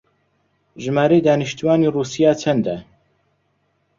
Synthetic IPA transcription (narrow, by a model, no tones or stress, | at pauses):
ʒɨmaːɾejd̪aːnɨʃt̪uwaːniːruːsijaːt͡ʃʰɛnd̪ɛ